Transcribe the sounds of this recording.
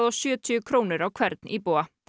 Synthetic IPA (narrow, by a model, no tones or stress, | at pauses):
oːʃʉːət̪ʰyːkʰɾuːnəɾɑːkʰʋæɾd̪n̩ʔiːboːə